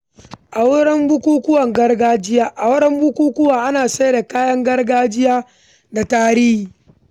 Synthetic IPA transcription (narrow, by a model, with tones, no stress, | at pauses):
ʔa˨wɽɛ˦mbʊ˦kʷuː˦kʊ˦wɐ˨ŋɡɐ˦rɡaː˦d͡ʒɪ˦jaː˦ʔa˨wʊ˦ɽɛ˦mbʊ˦kʷuː˦kʷʊ˦waː˨ʔa˦naː˨sa˦jda˨kaː˦jɐ˦ŋɡɐ˦rɡaː˦d͡ʒɪ˦jaː˦ | da˨taː˦ɾiː˦hiː˨